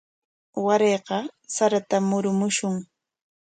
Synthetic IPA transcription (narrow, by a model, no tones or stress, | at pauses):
waɾeːqɑsaɾat̪amːʊɾʊmʊʃʊŋ